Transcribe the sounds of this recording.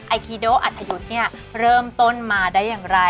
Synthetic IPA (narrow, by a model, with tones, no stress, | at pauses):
ʔa˧jkʰiː˧doː˦˥˩ʔa˨˩t̪ʰːa˧ju˧˦˥t̪̚ni˥˩ɐ | ɾɤː˥˩mt̪o˥˩nmaː˧daː˥˩jːaː˨˩ŋɾa˧